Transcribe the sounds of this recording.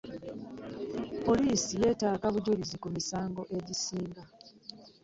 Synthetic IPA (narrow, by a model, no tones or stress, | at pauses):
po̞liːsije̞ːtaːkaβuɟulizikumisaːŋɡo̞ʔe̞ɟisiːŋɡa